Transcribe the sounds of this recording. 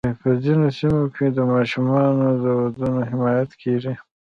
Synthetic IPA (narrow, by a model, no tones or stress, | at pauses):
pəzinosimokʰed̪əmɑʃumɑnod̪əwad̪unoɦɪmɑːjat̪kʰeʐi